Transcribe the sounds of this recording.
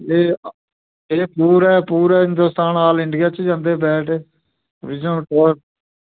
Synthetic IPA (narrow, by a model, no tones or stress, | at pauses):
eː | eːpuːɾɛːpuːɾɛːɦɪ̃nd̪oːst̪aːnaːlɪɳɖɪjaːt͡ʃd͡ʒãːnd̪eːbɛːʈeː | ʋɪd͡ʒõːʈəːɾ